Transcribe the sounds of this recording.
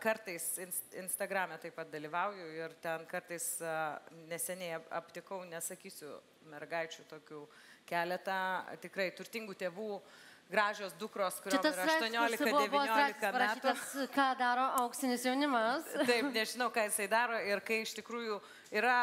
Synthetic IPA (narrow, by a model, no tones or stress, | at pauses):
kɐɾt̪ɐɪsɪnsɪnst̪ɐɡɾɑːmʲɛt̪ɐɪpɐt̪̚d̪ɐlʲiːʋɐʊjʊɪrt̪ʲɛnkɐrt̪ɐɪs | nʲɛsʲɛnʲɛɪɐ̰pʲt̪ʲɪkɐʊnʲɛsɐkʲiːsʲʊ | mʲɛrɡɐɪt͡ʃʲuːt̪oːkʲuː | kʲæːlʲɛt̪ɐt̪ʲɪkɾɐɪt̪ʊɾʲt̪ʲɪŋɡuːt̪ʲeːʋuː | ɡɾɑːʒʲoːsd̪ʊkɾoːskʊɾɪɐt̪ɐsɐʃt̪oɔnʲoːlʲɪkbkɐdʊɛʋbɪɐoːllɪkɐmpɐɾɐæːiːt̪ɐskɑːd̪ɑːɾoːʔɐʊksʲɪnʲɪsjɛʊnʲɪmɐst̪ɐɪnʲɛʒʲɪnɐʊkɑːjɪsɐɪd̪ɑːɾoːɪrkɐɪɪʃt̪ʲɪkɾuːjuː | iːɾɐ